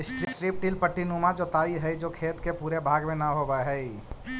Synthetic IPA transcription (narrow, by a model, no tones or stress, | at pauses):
ɪsʈɾsɾiːp̚ʈiːlpəʈːinuːmad͡ʒoːt̪aːiɦɛd͡ʒoːkʰeːt̪kepuːɾebʱaːɡmẽnɐɦoːbaɦɛi